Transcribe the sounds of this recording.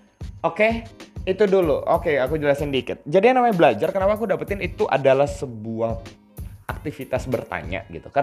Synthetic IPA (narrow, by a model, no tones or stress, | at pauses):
okeit̪uduluʔokeakud͡ʒəlasandikɪt̪̚d͡ʒadianamaɲabəlad͡ʒarkənapaːkudapat̪ɪnit̪uʔa̰dalahsəbuah | ak̚t̪ifit̪asbərt̪a̰ɲa̰ɡit̪uka